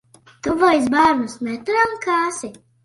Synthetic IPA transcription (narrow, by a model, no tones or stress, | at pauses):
t̪uvɔjs̬baːɾnusmɛt̪uɾamkaːsi